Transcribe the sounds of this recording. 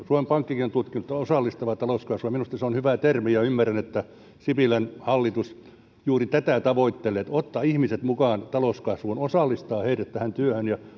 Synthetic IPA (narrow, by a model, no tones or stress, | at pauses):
suomempɑŋkːikinont̪ut̪kinut̪ːosɑlːist̪ɑʋɑt̪ɑloskɑsʋujɑminust̪ɑseonhyʋæt̪ermijɑymːærːænet̪ːæ | sipilænhɑlːit̪us | juːrit̪æt̪æˑt̪ɑʋoit̪ːelːˑeːt̪ot̪ːɑihmiset̪mukɑːnt̪ɑloskɑsʋuːnosɑˑlːist̪ɑːheiɾæt̪t̪æhænt̪yøhønjɑ